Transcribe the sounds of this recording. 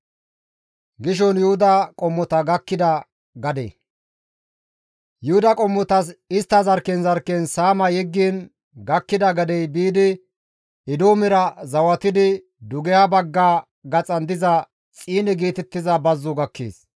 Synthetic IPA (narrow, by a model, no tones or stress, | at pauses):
ɡɪʃ̬ɔnjʊhʊd̪ɐkʼɔmːɔt̪ɐɡɐkːɪd̪ɐ | ɡɐd̪ḛ | jʊhʊd̪ɐkʼɔmːɔt̪ɐs̬ɪst̪ːɐzɐɾkɛnzɐɾkɛnsaːmɐjɛɡːiːn | ɡɐkːɪd̪ɐɡɐd̪ɛjbiːd̪ɪ | ɪd̪oːmɪɾɐzɐwɐt̪ɪd̪ɪ | d̪ʊɡɛjabɐɡːaː | ɡɐt͡sʼɐnd̪ɪzɐ | t͡sʼiːnɛɡiːt̪ɛt̪ːɪzɐbɐzːʊɡɐkːḛːs